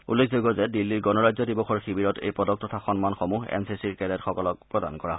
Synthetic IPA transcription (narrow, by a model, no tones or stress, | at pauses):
ṵlːekʰzoɡɔzɛdilːiɹɡɔnɔɹajzɔdibɔxɔɹxibiɹɔtḛjpɔdɔk̚tɔtʰaxɔnmanxɔmuɦɛ̰nsisiɹkɛlɛtxɔkɔlɔk̚pɹɔdankɔɹa